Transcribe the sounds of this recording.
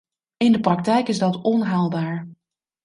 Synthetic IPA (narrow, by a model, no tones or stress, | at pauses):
ɪndəprɑk̚tɛjkɪzdɑtɔnɦaːlˠbaːɹ